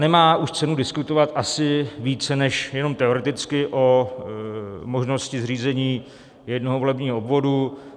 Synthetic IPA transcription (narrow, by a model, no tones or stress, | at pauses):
nɛmaːuʃt͡sɛnudɪskut̪o̞vat̪ʔasɪviːt͡sɛnɛʃjɛno̞mt̪ɛoɾɛt̪ɪt͡skɪʔo̞ | mo̞ʒno̞scɪzr̝iːzɛɲiː | jɛdnoɦovo̞lɛbɲiːɦoobvo̞du